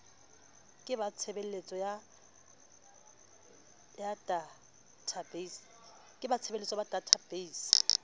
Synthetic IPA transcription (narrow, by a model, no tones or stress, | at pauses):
kʼɪbat͡sʰebel̩let͡sʼɔja | jada | tʰabes | kʼɪbat͡sʰebelet͡sʼɔbad̥ʱatʰab̥eis